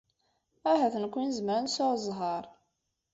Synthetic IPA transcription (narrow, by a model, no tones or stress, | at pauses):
æɦæθənkʷːinzəmɾənsoɾzˤɦɑɾˤ